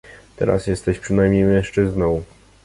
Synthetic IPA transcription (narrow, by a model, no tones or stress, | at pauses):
t̪ɛ̰ɾa̰sjɛst̪ɛɕpʂɘnajmɲejmɛ̃ʂt͡ʂɘznɔ̃w̃